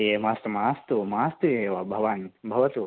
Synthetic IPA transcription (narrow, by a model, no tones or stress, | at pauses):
emaːst̪umaːst̪umaːst̪ujeːʋabʱɐʋanbʱɐʋɐt̪u